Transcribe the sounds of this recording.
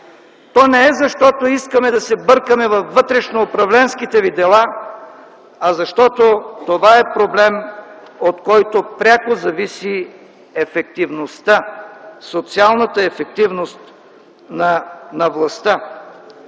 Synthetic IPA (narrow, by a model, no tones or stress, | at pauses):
t̪ɔnɛɛzɐʃt̪ɔt̪oiskəmɛd̪ɐsɛbɤɾkəmɛvɐfːɤt̪ɾɛʃnoːpɾɐvlɛnskit̪ɛvid̪ɛlˠa | ɐzɐʃt̪ɔt̪ot̪ovaɛpɾoblɛm | ot̪kɔjt̪opɾʲakozɐvisi | ɛfɛk̚t̪ivnost̪asot̪sialˠnət̪əɛfɛkt̪ivnost̪ | nɐnɐvlˠɐst̪ə